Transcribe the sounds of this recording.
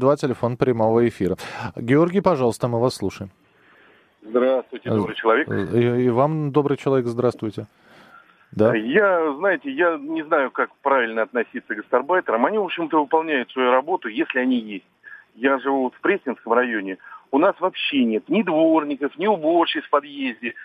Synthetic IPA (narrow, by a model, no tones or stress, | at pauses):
d̪vatʲɪlʲɪfo̞npɾʲɪmo̞vəɪfʲiɾəɡʲɪo̞rɡʲɪjpɐʐɑlˠəst̪əmɨvasːlˠuʂəjɪm | zd̪ɾast̪vʊjtʲɪd̪bɾɨjt͡ɕɪlˠɐvʲekivamd̪o̞bɾɨjt͡ɕɪlˠɐvʲekzd̪ɾast̪vʊjtʲɪ | d̪ajaznajɪtʲɪjanʲɪznajʊkakpɾavʲɪlʲnəɐt̪nɐsʲit̪səɡəst̪ɐrbajt̪əɾəmɐnʲivo̞pɕɪmt̪əvɨpɐlˠnʲæjʊt̪svɐjuɾɐbo̞t̪ʊjesʲlʲɪɐnʲijesʲtʲjaʐɨvut̪fpɾʲesʲɪnskəmrɐjo̞nʲɪʊnasvɐpɕːenʲe̞t̪nʲɪd̪vo̞rnʲɪkəfnʲɪʊbort͡ɕɪfpɐd̪jezʲdʲɪ